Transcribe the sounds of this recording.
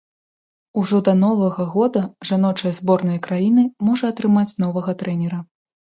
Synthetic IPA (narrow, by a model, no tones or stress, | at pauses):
uʐɔd̪ɐnɔvɐɣɐɣɔd̪ɐʐanɔt͡ʂɐjɐzbɔrnɐjɐkɾajinɨmɔʐɐːt̪ɾɨmat͡sʲnɔvɐɣɐt̪ɾɛnʲɛɾɐ